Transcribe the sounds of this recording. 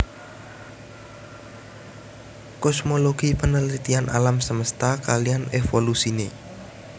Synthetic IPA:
kɔsmoloɡ̥ipənəlit̪ianʔa̰lamsəməst̪akalijanefolusine

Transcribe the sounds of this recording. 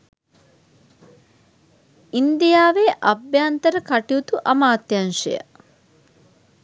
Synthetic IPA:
ind̪ijaːʋeʔɐbjaːnt̪əɾəkaʈiut̪uʔɐmaːt̪janʂḛjə̰

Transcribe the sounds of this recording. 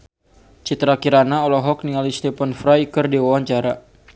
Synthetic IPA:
t͡ʃit̪ɾakiɾanaɔlɔɦɔk̚niŋalist̪ɛpanfɾajkərdiwawaɲt͡ʃaɾa

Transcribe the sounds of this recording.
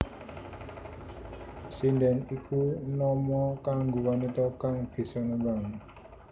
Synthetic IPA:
sinɖɛnikunɔmɔkaŋɡowanit̪ɔkaŋb̥i̤sɔnɔɡaŋ

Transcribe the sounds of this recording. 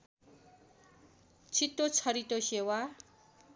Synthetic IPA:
t͡sʰit̪ːot͡sʰʌɾit̪osewa

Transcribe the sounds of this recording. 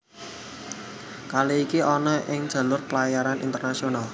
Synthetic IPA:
kaleikiʔɔnɔʔɪŋd̥ʒ̥ä̤lʊrpəlajaɾanḭnt̪ərnasional

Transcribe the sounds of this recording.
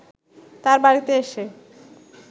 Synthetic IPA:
t̪aɾbaɾit̪eeʃe

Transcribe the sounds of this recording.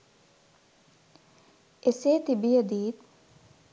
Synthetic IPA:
eset̪ibijɐd̪iːd̪

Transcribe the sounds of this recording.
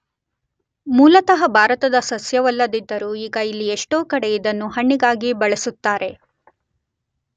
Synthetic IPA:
muːlɐt̪ɐɦɐbʱaːɾɐt̪ɐd̪ɐsɐsjɐʋɐlːɐd̪id̪ːɐɾuiːɡɐilːieʂʈoːkɐɽeid̪ɐnːuɦɐɳːiɡaːɡibɐɭɐsut̪ːaːɾe̞

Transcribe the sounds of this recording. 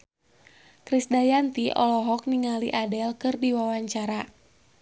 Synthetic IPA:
kɾisdajant̪iʔɔ̰lɔɦɔk̚niŋaliʔadɛlkɨrdiwawaɲt͡ʃaɾa

